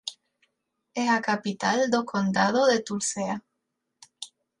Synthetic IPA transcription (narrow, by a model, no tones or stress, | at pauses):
esakapit̪ald̪okʰond̪að̞oðet̪uɾsea